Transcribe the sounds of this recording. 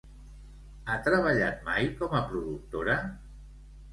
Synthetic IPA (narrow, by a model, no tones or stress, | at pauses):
at̪ɾəβ̞aʎat̪̚majkɔməpɾuðuk̚t̪oɾə